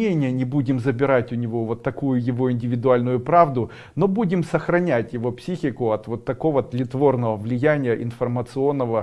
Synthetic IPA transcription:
enʲɪjənʲɪbudʲɪmzəbʲɪɾatʲʊnʲɪvo̞vo̞t̪ːɐkujʊjɪvo̞ɪnʲdʲɪvʲɪd̪ʊalʲnʊjʊpɾavd̪ʊ | no̞budʲɪmsəxɾɐnʲætʲjɪvo̞psʲixʲɪkʊɐt̪vo̞t̪ːɐko̞vət̪lʲɪt̪vo̞rnəvəvlʲɪjænʲɪjəʔɪnfərmət̪sɨo̞nːəvə

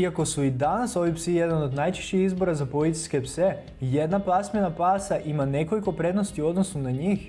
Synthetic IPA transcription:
iako̞suid̪anaso̞ʋipsijed̪anod̪najt͡ʃe̥ʃt͡ɕixizbo̞ɾazapo̞lit̪i̥skepse | je̞d̪naplˠasmenapaːsaʔimane̞ko̞liko̞pɾe̞d̪nost̪io̞d̪nosunaɲix

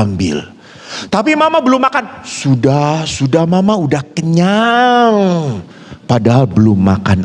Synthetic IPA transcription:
mbɪ̰l | t̪apimamabəlʊmːakansudahsudahmamaudahkəɲaŋ | padaɦalbəlʊmːa̰kan

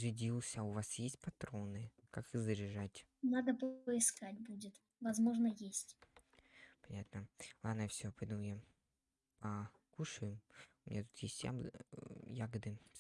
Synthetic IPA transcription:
ʐɨdʲilˠsʲəaʊvasjesʲt̚ʲpɐt̪ɾo̞nɨ | kakɨzəɾʲɪʐatʲ | nad̪əpəɪskatʲbudʲɪt̪ | vɐzmo̞ʐnəjesʲtʲ | pɐnʲat̪nəlˠad̪nəjfsʲopɐd̪umja | ɐkuʂɨjɪmʊmʲɪ̰ɲʲat̪u̥t̪jesʲtʲja̰ | jaɡəd̪ɨ

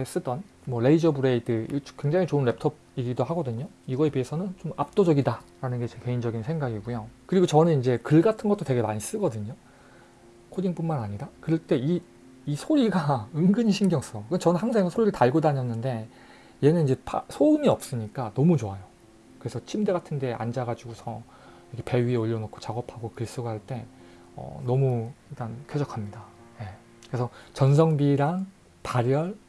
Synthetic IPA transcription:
es͈ɯdʌn | mwʌɾe̞id͡ʑʌbuɾe̞tekwe̞ŋd͡ʑaŋit͡ɕoɯnɾe̞p̚tʰʌb̚iɾidohaɡʌdɯɲo | iɡʌe̞pɥiesʰʌnɯnt͡ɕomap̚t͈od͡ʑʌɡidaɾanɯnɡe̞t͡ɕeke̞ind͡ʑʌɡinsʰe̞ŋɡaɡiɡujokɯɾiɡot͡ɕʌnɯnind͡ʑe̞kɯɭɡatʰɯnɡʌt͈oteɡemaɲis͈ɯɡʌdɯɲo | kʰod͡ʑiŋp͈unmanaɲiɾakɯɾʌɭt͈e̞i | isʰoɾiɡaɯŋɡɯɲiɕʰinɡjʌŋs͈ʌkɯt͡ɕʌnɯnhaŋsʰeŋesʰsʰoɾiɾɯtaɭɡodaɲiʌnːɯnde̞ | je̞nɯnid͡ʑe̞pʰasʰoniʌp̚s͈ɯɲik͈anʌmut͡ɕoajo | kɯɾe̞sʰʌt͡ɕʰimde̞ɡatʰɯnde̞ʔa̰nd͡ʑaɡad͡ʑiɡusʰʌ | ɾʌkʰe̞pe̞ɥieoʎːʌnokʰo̥t͡ɕaɡʌpʰaɡokɯɭs͈uɡahaɭt͈e̞ | ʌ̰nʌmuiɭt͈ankʰed͡ʑʌkʰamɲidaje̞ | kɯɾe̞sʰʌt͡ɕʌnsʰʌŋbiɾaŋ | paɾjʌɭ

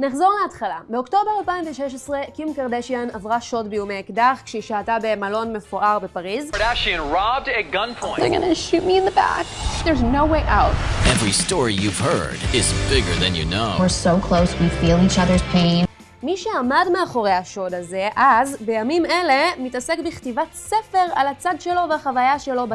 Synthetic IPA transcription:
neχzo̞ʁleatχalabeokto̞beʁalpaĩmveʃeʃ̬esʁekimkaʁdeʃianavʁaʃo̞dbejumekdaχkʃeiʃaːtabe̞malo̞nme̞foʔaʁbe̞paʁizɾæʃiɨ̃nɹɑb̚dɨɡʌ̃npʰɔ̃ɪ̃ðə̰ɡʌ̰nɨʃut̚miɨ̃nðəbæ̰kðə˞znoʊweɪʔaʊt̚ɛvɹistɔɹijʉv̥hɜ̰˞ɾɪzbɪɡə˞ðɨ̰̃njɨ̰no̰ʊwəɹsoʊkʰl̥oʊswifilˠit͡ʃʌðə˞z̥pʰẽɪ̃n | miʃeamadmeaχo̞ʁejhaʃo̞daze̞ʔazbejamimele̞mitasekbiχtivatsefe̞ʁalat͡sadʃe̞lo̞veaχavajaʃelo̞ba

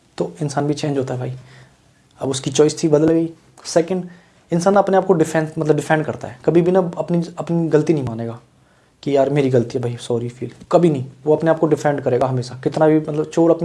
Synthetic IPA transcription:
t̪oːɪnsaːnbʱit͡ʃẽːnd͡ʒɦoːt̪aɦɛbʱaːi | ɐ̰bʊskit͡ʃɔːɪst̪ʰibɐd̪əlɡəiː | sɛːkə̃ɳɖ | ɪnsaːnɐpneaːp̚koɖɪfʰɛ̃ːnmɐt̪ləb̚ɖɪfʰɛ̃ːɳɖkɐɾt̪a̰ɦɛːkɐbʱibʱinɐɐpniɐpniɡɐlt̪inɐɦĩmaːneːɡaː | kijaːɾmeːɾiɡɐlt̪iɦɛbʱaːisɔːɾifʰiːlkɐbʱinɐɦĩːʋoɐpneaːp̚koɖɪfɛ̃ːɳɖkɐɾeːɡaɦɐmeːʃakɪt̪nabʱimɐt̪ləbt͡ʃoːɾɐpni

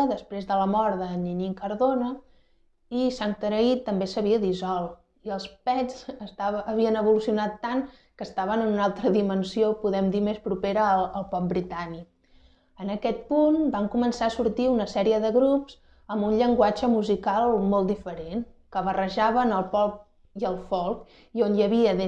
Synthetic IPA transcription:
ðəspɾezðələmɔɾðəninikəɾðonə | isant̪əɾəit̪ːəmbesəβ̞iəðizɔlˠ | iəlˠspɛd͡zəst̪aəβiənəβulusiunat̪ːaŋ | kəst̪aβənənunalˠt̪ɾəðimənsiopuðɛmd̪imespɾupeɾəəlˠpɔp̚bɾit̪anik | ənəkɛt̪̚punbaŋkumənsaəsuɾt̪iunəsɛɾiəðəɣɾupz̥ | əmbunʎəŋɡwad͡ʒəmuzikalˠmolˠt̪d̪ifəɾenkəβərəʒaβənəlˠpɔp̚ | iəlˠfɔlˠk | ionjəβiəðe

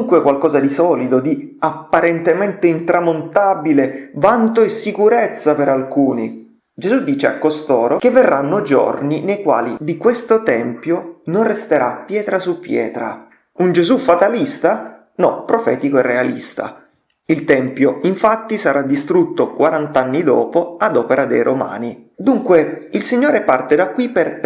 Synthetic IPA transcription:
uŋkwekwalkɔːzad̪isɔːlid̪od̪iapːaɾɛnt̪ement̪eint̪ɾamont̪abilevant̪oesːikuɾet̪sːapeɾalkuːnḭ | d͡ʒezud̪ːiːt͡ʃea̰kːost̪oːɾokevːerːanːod͡ʒo̰rninejkwa̰ːlid̪ikwest̪ot̪ɛmpjononrest̪eɾa̰pːjɛːt̪ɾasupːjɛ̰ːt̪ɾa̰ | und͡ʒezufat̪alist̪a | nɔ̰pːɾofɛ̰ːt̪ikoɛrːealḭst̪a̰ | ilt̪ɛmpjoiɱfat̪ːisaɾʔad̪ːist̪ɾut̪ːokwaɾant̪anːid̪ɔ̰ːpoad̪ɔːpeɾad̪ejɾʔoma̰ːni | d̪uŋkweilsiɲːoːɾepart̪ed̪akːwiper

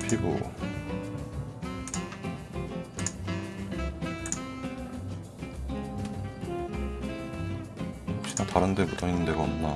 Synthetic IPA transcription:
pʰiɡo̰ | ɕʰinat̪aɾɯndebutʰainːɯnd̪eɡao̰mna

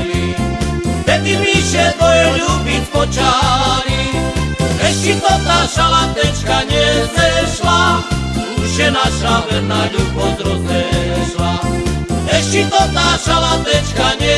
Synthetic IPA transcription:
i | d̪ɛt̪imiʃɛt̪ɔɛʎubit̪pɔt͡ʃaɾi | ɛʃkit̪ɔt̪aʃalat̪ɛt͡ʃkaɲɛzɛʃla | uʃɛnaʃavɛnaʎubɔd̪ɾɔt̪ɛʃla | ɛʃit̪ɔt̪aʃalat̪ɛt͡ʃkaɲɛ

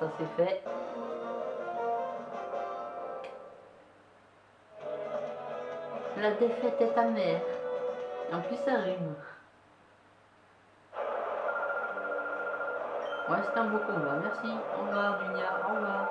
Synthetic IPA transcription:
asɛfɛ | lad̪efɛt̪ɛt̪amɛːʁ | eɑ̃pisaʁim | ɔ̃ɛ̃st̪ɑ̃vokɔ̃vamɛʁsiɑ̰̃vaʁd̪yɲaɔ̃vaː

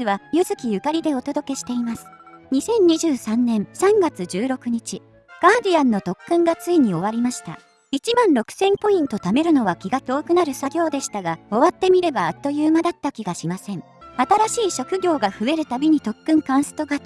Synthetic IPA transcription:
ɨβajɯ̟zɨkʲijɯ̟kaɾʲid̪e̞o̞t̪o̞d̪o̞ke̞ɕi̥t̪e̞imasɨ̥ɲ̟isẽ̞ɲ̟ɲiʑɨːsãnːẽ̞ɰ̃sãŋɡat͡sɨd͡ʑɨːɾo̞kɯ̟ɲ̟it͡ɕi | ɡ̥aːd̪ianːo̞t̪o̞kːɯ̟̃ŋɡat͡sɨiɲ̟io̞β̞aɾʲimaɕi̥t̪a̰ | it͡ɕimãnɾo̞kɯ̟̥sẽ̞mpo̞ĩnt̪o̞t̪ame̞ɾɯ̟no̞βakʲiɡat̪o̞ːkɯ̟naɾɯ̟saɡʲo̞ːd̪e̞ɕi̥t̪aɡao̞βat̪ːe̞mʲiɾe̞baːt̪ːo̞jɯːmad̪at̪ːakʲiɡaɕimasẽ̞ɴ | at̪aɾaɕiːɕo̞kɯ̟ɡʲo̞ːɡaɸɯ̟e̞ɾɯ̟t̪abʲiɲ̟it̪o̞kːɯ̟̃ŋkãɰ̃sɨ̥t̪o̞ɡa

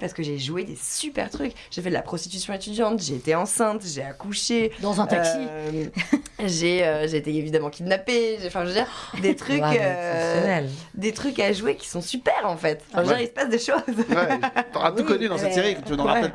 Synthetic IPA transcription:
paʁsə̥kəʒeʒued̪esypɛ̰ʁt̪χyk | ʒ̥efɛd̪əla̰pχɔst̪it̪ysjɔ̃et̪yd̪jɑ̃t̪ʒeːt̪eɑ̃sɛ̃t̪ʒeakuʃed̪ɑ̃zɛ̃t̪aøi | ʒeøʒeːt̪eːvid̪amɑ̃kʲid̪napeʒeɑ̃fɛ̃ʒəvəd̪iːʁd̪et̪χykøsnɛld̪et̪χykaʒwekʲi̥sɔ̃sypɛʁɑ̃fɛt̪fɛ̃ʒəd̪iʁisə̥pasd̪əʃozwɛt̪əʁat̪ukɔnyd̪ɑ̃sɛt̪seʁikt̪yd̪̃wɛɛ

